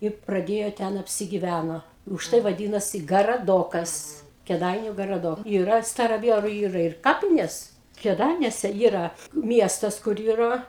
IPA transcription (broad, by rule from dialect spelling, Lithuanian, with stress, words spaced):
ɪ prɐˈdʲeːjoː ˈtʲɛn ɐpʲsʲɪɡʲɪˈʋʲænoː ʊʃˈtɐɪ ʋɐˈdʲiːnɐsʲɪ ɡɐrɐˈdoːkɐs kʲeːˈdɐɪnʲʊ ɡɐrɐˈdoːk iːˈrɐ stɐrɐˈʋʲiɛrʊ ˈiːrɐ ɪr ˈkɑːpʲɪnʲeːs kʲeːˈdɐɪnʲuɔsʲɛ ˈiːrɐ ˈmʲiɛstɐs kʊr ˈiːrɐ